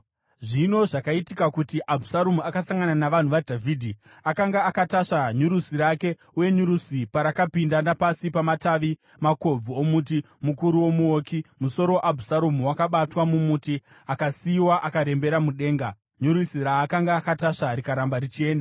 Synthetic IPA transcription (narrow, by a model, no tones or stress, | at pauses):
ʐino̞ʐakaitikakutiʔabʱusaɾomuakasaŋɡananaʋan̤uʋadʱavʱidʱi | akaŋɡaːkataʂaɲuɾusiɾake̞ | uje̞ɲuɾusipaɾakapindanapasipamataʋi | mako̞b͡vuomut̬i | mukuɾuwo̞muoːkimuso̞ɾowʔabʱusaɾomuwakaɓatwamumuti | akasiːwaʔakaɾe̞mbe̞ɾamuɗe̞ːŋɡa | ɲuɾisiɾaːkaŋɡaːkataʂaɾikaɾambarit͡ʃie̞ːnda